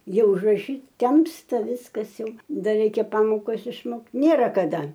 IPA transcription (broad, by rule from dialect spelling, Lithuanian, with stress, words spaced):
ˈjɛʊ ʊʒrɐˈʃʲiːt ˈtʲɛmstɐ ˈʋʲɪskɐs ˈjɛʊ ˈdɐr ˈrʲɛɪkʲɛ ˈpɑːmoːkɐs ɪʃˈmoːkt ˈnʲeːrɐ kɐˈdɐ